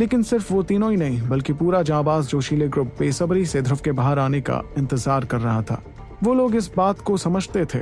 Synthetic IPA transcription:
leːkɪnsɪɾfʋot̪iːnõinɐɦĩbɐlkipuːɾad͡ʒãːbaːsd͡ʒoːʃiːleɡɾʊpːeːsəbɾised̪ʱɾʊʋkebaːɦəɾaːneka̰ɪ̃nt̪ɪzaːɾkɐɾːɐɦat̪ʰa̰ː | ʋoːloːɡɪsbaːt̪kosɐməd͡ʒʱt̪et̪ʰḛː

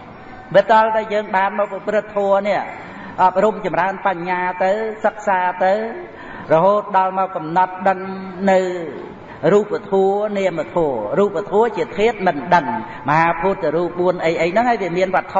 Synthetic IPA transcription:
ʋit̪ŏəlt̪aɛljəːŋɓaːnmɔːk̚pɾɨt̪ʰːɔəniəʔ | ʔɑp̚rumt͡ɕɑmraənpaɲːaːt̪ɨwsək̚saːt̪ɨw | rɔɦoːt̪̚ɗɑlmɔːkːɑmnɑt̪̚ɗəŋnɨw | ruːp̚ʋat̪ʰuəniəmət̪ʰɔəruːp̚ːat̪ʰuət͡ɕiət̪ʰiət̪̚mɨnɗəŋ | məhaːpʰuːt̪ːɾuːp̚ɓuənʔəjʔəjnɨŋhaːjʋiəmiənʋŏət̪ʰːo

